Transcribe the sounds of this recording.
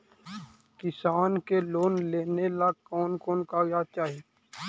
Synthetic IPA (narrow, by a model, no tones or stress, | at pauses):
kɪsaːnkeloːnleːnelakɔːnkoːnkaɡjat͡ʃaːɦie